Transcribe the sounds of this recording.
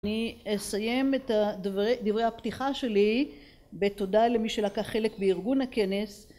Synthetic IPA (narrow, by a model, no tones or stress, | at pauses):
niesaje̞metad̪vʁed̪ivʁejhaptiχaʃe̞li | be̞todalemiʃelakaχe̞lekbeiʁɡunhake̞ne̞s